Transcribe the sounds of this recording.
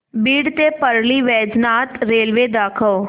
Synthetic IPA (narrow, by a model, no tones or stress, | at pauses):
biːɽt̪eːpəɾliːʋɛːd͡ʒnaːt̪ɾeːlʋeːd̪aːkʰəoː